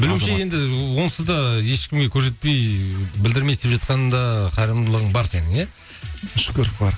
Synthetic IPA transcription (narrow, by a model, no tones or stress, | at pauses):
bɪlɪwʃɪje̞nd̪ɪwo̞nəsəd̪ɑje̞ʃkʲɪmɡʲe̞kʲʰɵɾs̬e̞t̪̚pe̞jbɪld̪ɪɾmejsd̪epʒɑt̪̚qɑnənd̪ɑqʰɑɾəmd̪əlˠəʁəɴbɑɾse̞nɪŋe | ʃkʲɵɾpbɑɾ